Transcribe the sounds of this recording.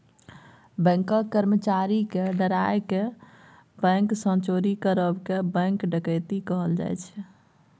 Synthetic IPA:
bɛ̃ŋkəkːəɾmət͡ʃaɾikeɖəɾaeke | bɛ̃ŋksə̃nt͡ʃoɾikəɾəbkebə̃ŋkɖəkəjt̪ikəɦəld͡ʒa̰jt͡ʃʰ

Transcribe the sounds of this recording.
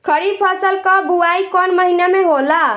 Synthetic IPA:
kʰəɾipʰasəlkɔbuaikɔnməɦinameɦola

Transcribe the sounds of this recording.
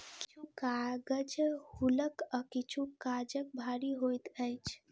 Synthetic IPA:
kit͡ʃʰukaɡəd͡ʒhuləkəkit͡ʃʰukad͡ʒək̚bʱaɾiɦojt̪əjt͡ʃʰ

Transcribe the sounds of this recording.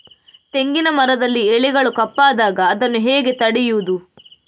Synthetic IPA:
t̪e̞ŋɡinɐmɐɾɐd̪ɐlːieɭiɡɐɭukɐpːaːd̪aːɡɐːd̪ɐnːuɦeːɡe̞t̪ɐɽijuːd̪u

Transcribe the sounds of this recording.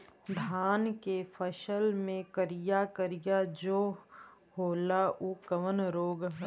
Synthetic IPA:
d̪ʱaːnkefʰəʃəlmẽkəɾijakəɾijad͡ʒoː | hoːlaʔukəʋənɾoːɡɦ

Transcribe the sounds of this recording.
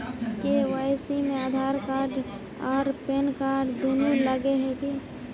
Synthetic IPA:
keʋaɪsimẽad̪ʱaːɾkaːɾɖ | ɔːɾpeːnkaːɖd̪unuləɡeɦɛki

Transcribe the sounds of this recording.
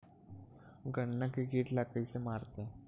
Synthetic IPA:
ɡəɳːakiɡiːʈlakəisemaːɾt̪ẽ

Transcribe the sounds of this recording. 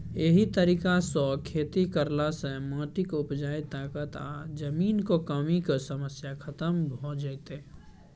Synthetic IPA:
eɦit̪əɾiːkasɔkʰeːt̪ikəɾlasə̃mãːʈɪkʊpd͡ʒaːit̪aːkət̪a̰d͡ʒəmiːnkokəmikəsəməsjakʰət̪əmbʱod͡ʒaɪt̪e

